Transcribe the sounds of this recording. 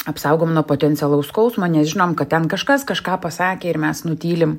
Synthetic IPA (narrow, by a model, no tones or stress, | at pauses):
ɐpsɐʊɡoːmnuɔpoːt̪ʲɛnʲtt͡s̪ʲɛlˠɐʊsskɐʊsmɐnʲɛsʒʲɪnoːmkɐt̪̚t̪ʲɛnkɐʃkɐskɐʃkɑːpɐsɑːkʲeːɪɾmʲɛsnʊt̪ʲiːlʲɪm